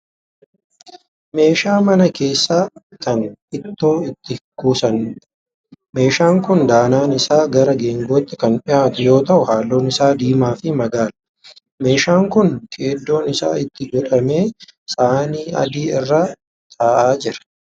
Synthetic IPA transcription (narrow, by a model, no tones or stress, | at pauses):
me̞ːʃaːmɐnɐke̞ːsːaː | kɐnɪt̪ːo̞ːɪt̪ːɪkuːsɐn | me̞ːʃaːŋkʊnd̪aːnaːnɪsaːɡɐɾɐɡe̞ːŋɡoːt̪ːɪkɐnpʼɪʔaːt̪ʊjo̞ːt̪ɐʔʊhaːlːo̞ːnɪsaːd̪iːmaːfɪmɐɡaːlɐ | me̞ːʃaːŋkʊnkʰʼeːd̪ːo̞ːnɪsa̰ːɪt̪ːɪɡɔᶑɐme̞ːsaːniːɐ̰d̪iːɪrːaː | t̪ʰʼaːʔaːd͡ʒɪɾɐ̥